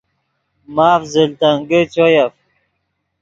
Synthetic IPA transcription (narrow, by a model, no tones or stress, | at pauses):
maːfzilt̪aŋɡət͡ɕojaf